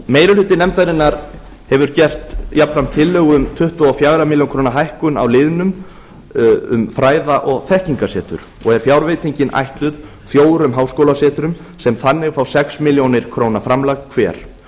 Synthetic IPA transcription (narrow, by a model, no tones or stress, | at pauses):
meːjɾʏlʏːt̪ɪnɛmt̪aɾɪnːaɾ | hɛvʏɾcɛr̥t̪japn̥fɾam̥t̪ʰɪlːœːɣʏmt̪ʰʏht̪ɔɔfjaːɣɾamɪljonŋkʰɾoːwnaɦajhkʏna̰wlɪðnʏm | ʏ̰mfɾaːjðaʔɔɣθɛhciŋkasɛːt̪ʏ̰ɾ̥ | ɔɣɛɾ̥fjaːwɾveːjt̪iɲcɪnʔa̰jht̪lʏð | θjoːwɾʏmɦaːwskowlasɛːt̪ʏɾʏm | sɛmθanːɪɣfawsɛksmɪljownɪɾ̥kʰɾownafɾamlaɣkʰvɛːɾ̥